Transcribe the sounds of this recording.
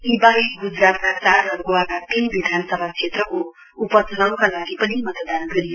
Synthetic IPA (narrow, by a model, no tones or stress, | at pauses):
ibaiɡud͡zrap̪kat͡sarʌɡoakat̪inbid̪ʱanʌsʌbʱaksʰet̪rʌko | upʌsʌlaw̃kalaɡipʌnimʌt̪d̪anɡʌɾij